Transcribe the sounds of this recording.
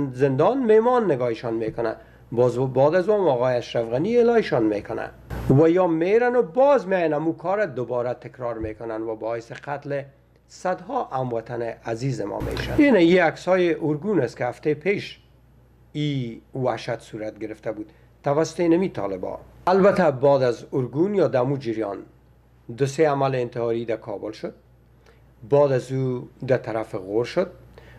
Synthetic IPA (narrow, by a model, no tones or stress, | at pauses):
zɪnd̪ɔnmehmɔnːɪɡɔɪʃɔnmekʊna̰ | bɔzbɔd̪azuɔmɔɣɔjeaʃɾafɣanielɒɪʃɔnmekʊna̰ | wajɔmeɾanʊbɔzmjjanamukʰɔɾad̪ʊbɒɾat̪ɪkɾɑɾmekʊnanwabɔɪsɪqat̪le | sad̪hɔʔamwat̪ʰanɪʔazizɪmɔ̰mḛʃa̰neneiaksɔjeʔʊɾɡunast̪kɪhaft̪epʰeʃ | iwaʃat̪suɾat̪̚ɡɪɾɪft̪abud̪ | t̪ːawasʊ̥t̪enamit̪ʰɒ̰lɪbɒ̰albat̪abɑd̪azʊɾɡunjɒd̪amud͡ʒiɾjɒ̰n | d̪ʊseamalɪːnt̪ɪhɑɾid̪akʰɒbʊlʃʊd̪̚ | bɑd̪azud̪at̪aɾafɪɣoɾʃʊd̪̚